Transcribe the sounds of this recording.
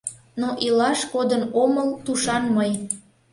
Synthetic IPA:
noʔilɑʃkod̪ənoməlt̪uʃɑnməj

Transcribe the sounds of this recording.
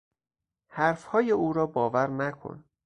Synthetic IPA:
hæɾfhɒːjeʔuːɾɒːbɒːvæɾnækʰo̰n

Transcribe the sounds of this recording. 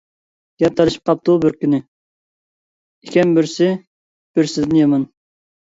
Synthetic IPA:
ɡ̥ʲɛp̚t̪ʰɑɾɨʃi̥p̚qʰɑp̚t̪ubøɾkʲynɪ | ikʲʰɛmbyɾsɪ | b̥yɾsɪd̪ɪnjɑmɑn

